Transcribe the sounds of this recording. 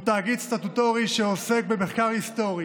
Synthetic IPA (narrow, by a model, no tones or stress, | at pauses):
t̪aːɡidst̪at̪ut̪o̞ʁiʃeose̞k̚beme̞χkaʁhist̪o̞ʁi